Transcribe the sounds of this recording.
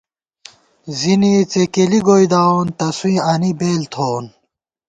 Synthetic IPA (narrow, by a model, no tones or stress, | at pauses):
ziniːt͡sekeliɡoid̪aːont̪ɐswĩːɐnibeːlt̪ʰoːn